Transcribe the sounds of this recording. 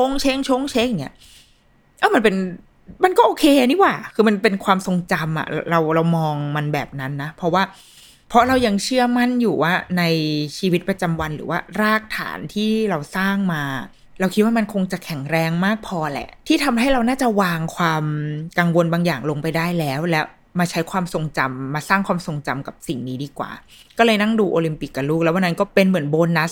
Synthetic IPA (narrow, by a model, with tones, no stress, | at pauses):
o˥˩˨ŋt͡ɕʰeː˦˥˩ŋt͡ɕʰoː˥˩ŋt͡ɕʰe˦˥ŋja˨˩ŋːḭ˦ɐ˥ | ʔaː˧˥˩ma˧npe˧n | ma˧nkɔː˥˩ʔoː˧kʰeː˧a˨˧ni˦˥waː˨˩kʰɯː˧ma˧npe˧nkʰwaː˧mso˧ŋt͡ɕa˧mʔa̰˨˩ɾa˧wɾa˧wmɔː˧ŋma˧nbɛ̰ː˨˩p̚na˦˥nːa˦˥pʰɔ˦˥waː˥˩ | pʰɔ˦˥ɾa˧wja˧ŋt͡ɕʰɯ˥˩ɐma˥˩njuː˨˩waː˥˩na˧jt͡ɕʰiː˧wi˦˥t̪̚pɾa˧t͡ɕa˧mwa˧nɾɯ̰ː˩˦waː˥˩ɾaː˥˩k̚t̪ʰa̰ː˩˦nt̪ʰiː˥˩ɾa˧wsaː˥˩ŋmaː˧ | ɾa˧wkʰi˦t̪̚waː˥ma˧nkʰo˧ŋt͡ɕa˨˩kʰɛ˨˩˦ŋɾɛː˧ŋmaː˥˩k̚pʰɔː˧lɛ̰˨˩ʔt̪ʰiː˥˩t̪ʰa˧mɦa˥˩jɾa˧wnaː˥˩t͡ɕa˨˩waː˧ŋkʰwaː˧mka˧ŋwo˧nbaː˧ŋjaː˨˩ŋlo˧ŋpa˧jdaː˥˩jlɛː˦˥wlɛ˦˥ | maː˧t͡ɕʰa˦˥jkʰwaː˧mso˧ŋt͡ɕa˧mːaː˧saː˥˩ŋkʰwaː˧mso˧ŋt͡ɕa˧mka˨˩p̚si˨˩ŋniː˦˥diː˧kwa̰ː˨˩ | kɔː˥˩lɤː˧jna˥˩ŋduː˧ʔoː˧li˧mpi˨˩kːa˧˩luː˥˩k̚lɛ˦˥wa˧nːa˦nkɔː˥˩pe˧nmɯ˩˦ənboː˧nːa˦˥